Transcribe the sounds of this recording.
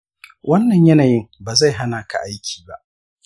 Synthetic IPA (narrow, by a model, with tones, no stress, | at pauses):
wʔɐ˦nːɐ˨ɲjɐ˦naː˨jɪ˦ŋbaː˨za˦˨jɦa˦naː˨kʰa̰˨ʔa˦jkʲʰi̥ː˨ba̰˦ʔ